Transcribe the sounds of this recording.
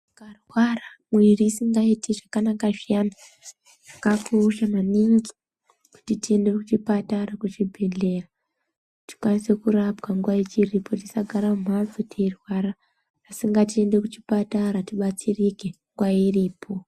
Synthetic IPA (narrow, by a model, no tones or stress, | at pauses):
karwaramwiriːsiŋɡaitiʐakanakaʐijana | ʐakakuːʃamaniŋɡi̥ | ku̥titiende̞kut͡ʃipataɾakut͡ʃibʱeɮe̞ra | ti̥kwanise̞kuɾabɡaŋɡwait͡ʃiripʰo̞tisaɡʱaɾamum̤avutʰerwaɾaː | siŋɡatie̞nde̞kut͡ʃipataɾatiɓat͡sirike̞ŋɡwairiːpʰo̞